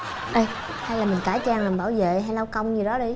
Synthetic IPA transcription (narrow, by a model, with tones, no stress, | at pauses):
ʔə˧˩j | ha˧jlaː˨˩mï˨˩ŋ̟kaː˧˩jt͡ɕaː˧ŋlaː˨˩mɓaː˧˩wvḛ˧˨ɦa˧jla˧wkə˧wŋ͡mzɨ˨˩ɗɔ˨˦ɗi˧j